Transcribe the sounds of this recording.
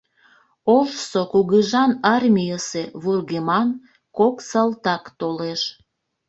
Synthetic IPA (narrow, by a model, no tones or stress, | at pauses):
olʃsokuɣəʒɑnɑrmʲijəseβurɣemɑn | koksɑlt̪ɑkt̪oleʃ